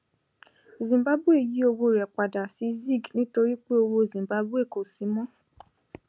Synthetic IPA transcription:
zĩ˨ba˨˦bu˦e˦˨ji˨˦o˧wo˧˨ɾɛ˨k͡pa˨da˨si˨˦zi˦˨ɡnĩ˦to˧ɾi˦k͡pe˦o˧wo˧˨zĩ˨mba˨˦bu˦e˦˨ko˨si˨˦mɔ̃˦

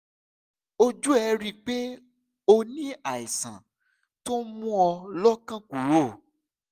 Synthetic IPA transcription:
o˧d͡ʒu˦ɛ˧ɾi˦˨k͡pe˦ | o˧nĩ˦a˨i˨sã̰˨ | to˦mũ˦ɔ˧lɔ˦kã˦ku˨ɾo˦˨

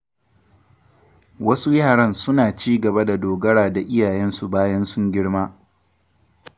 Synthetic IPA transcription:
wɐ˦su˦jaː˦˨ɽɐ˦nsʊ˦naː˨t͡ʃiː˦ɡɐ˨ba˦da˨doː˨ɡɐ˦ɽaː˨da˨ʔɪ˦jaː˨jɛ˦nsu˨baː˦jɐ˦nsʊ˦ŋɡʲɪ˦ɽmaː˦

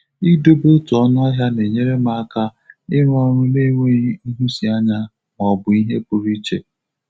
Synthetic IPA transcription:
i˦do˦bo˦tu˨ɔ˦nʊ˦a˦ɦja˦ne˨ɲe˦ɾe˦ma˨a˦ka˦ɪ˦ɾʷɔ˦ɾʊ˦le˦ŋʷe˦i˦ɦu˦si˨a˦ɲa˦ | m˨ɔ˨bʊ˨i˦ɦe˦pʊ˨ɾi˦t͡ʃḛ˨

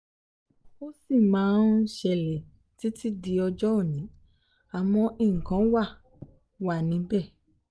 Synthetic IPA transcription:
o˦si˦˨mãː˨˦n˦ʃɛ˧˨lɛ˨ | ti˨˦ti˦di˧ɔ˧d͡ʒɔ˦o˦˨nĩ˨˦ | a˨mɔ̃˧ʔi˨ŋ̩˨kã˨˦wa˦˨ | wa˦˨nĩ˨˦bɛ˦˨

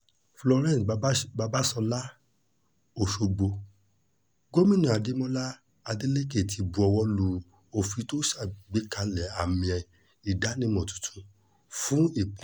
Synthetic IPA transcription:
flɔ˧ɾɛ̃˦˨sba˧ba˦sɔ̃˧la˦ | o˨ʃo˧ɡ͡bo˧ | ɡo˦mĩ˦nũ˨a˨de˨˦mɔ̃˦la˦ | a˧di˦le˦ke˦˨tʰi˨˧bu˨˧ɔ˧wɔ˧˦lu˨˦ | o˨fi˧˦to˦sa˦˨ɡ͡be˨˦ka˧lɛ˨a˨mĩ˧ɛ˧ | i˨da˨˦nĩ˦˧˦mɔ̃˨tũ̥˨tʰũ˨˧ | fũ˦i˦˨p

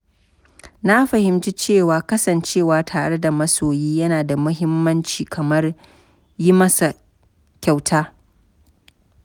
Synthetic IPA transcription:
na˦ɸɐ˨hɪ˨mt͡ʃi˦t͡ʃeː˦˨waː˨kɐ˦sɐ˨nt͡ʃeː˦˨waː˨tʰaː˨ɽe˦da˨mɐ˦soː˨jiː˦jɐ˦naː˨da˨mʊ˦ɦɪ˦mːɐ˦nt͡ʃiː˨kʰɐ˨mɐ˦r | ji˦mɐ˦sa˨ | kʲa˨wtʰaː˦

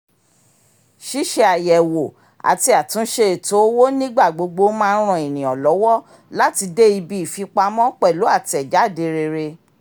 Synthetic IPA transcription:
ʃi˦ʃe˦a˨jɛ˨wo˨ | a̰˨ti˧a˨tũ˨˦ʃe˧˦e˨to˨˦wo˦nĩ˦ɡ͡ba˦˨ɡ͡bo˧ɡ͡bo˧˦mãː˦˧n̩˦ɾ̃ɔ̃˧˨e˨nĩ˨ɔ˨lɔ˨˦wɔ˦ | la˦ti˧de˦i˧bi˦i˨fi˧k͡pa˧mɔ̃˦k͡pɛ˦˨lo˨˦a˦˨ti˧˦ɛ˨d͡ʒa˨˦˨de˧ɾe˧ɾe˧

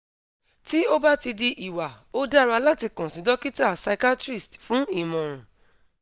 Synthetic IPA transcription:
ti˦o˦ba˦ti˧di˧ʔi˨wa˨ | o˦da˦˨ɾa˧la˦ti˧˦kɔ̃˨sĩ˨˦dɔ˦ki˦ta˦˨sa˧ka˦tɾi˦˨stfũ˨˦i˦˨mɔ̃˨ɾ̃ũ˨

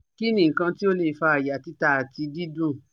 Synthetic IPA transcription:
ki˦nĩ˦˨ŋ̩˨kã˧ti˦o˦le˦˨fa˧a˨ja˨ti˦ta˦˨a˨ti˧di˦dũ˦˨

